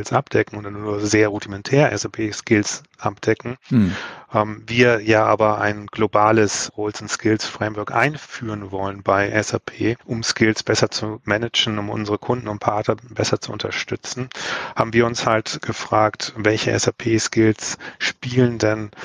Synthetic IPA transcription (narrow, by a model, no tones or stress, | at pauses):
lsʔapd̥ɛkŋ̩ʊndannuːɐzeːɐʁudimɛntʰɛːʁəʔɛsapʰeːskɪls | ʔapd̥ɛkŋ̩ | ʔɛmviːɐjaːʔa̰ːbɐʔa̰ɪnɡ̥lobaːləsʁoʊlsʊnskʰɪlsfʁ̥ɛɪmvœɐkʔa̰ɪnfyːʁənvɔlənbaɪʔɛsapʰeːʔʊmskɪlsb̥ɛsɐt͡sumɛnɪd͡ʒn̩ʊmʔʊ̰nzəʁəkʰʊndn̩ʊntpʰaɐtnɐbɛsɐt͡suʊntɐʃtʏt͡sn̩haːbm̩viːɐʊnshaltɡ̥əfʁ̥aːktvɛlçəʔɛ̰sapʰeːskɪlsʃpiːləndɛn